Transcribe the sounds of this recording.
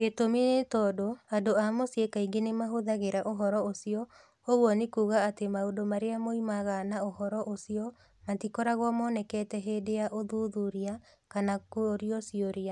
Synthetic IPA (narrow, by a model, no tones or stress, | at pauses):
etominetɔdoadoamosiekaiŋɡenemaɦoðaɣeɾaʔoɦɔɾɔosiɔ | oɣwɔnekuːɣaatemaondomaɾeamoimaɣanaohɔɾɔʔosiɔ | matikoɾaɣwɔmɔnɛkɛtɛɦeːdeaʔoðuðuɾia | kanakoɾiɔsioɾia